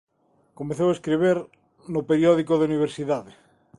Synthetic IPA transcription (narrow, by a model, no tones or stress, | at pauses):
komeθowaeskɾeβ̞eɾ | nopeɾjɔðikoðeuniβ̞eɾsiðaðe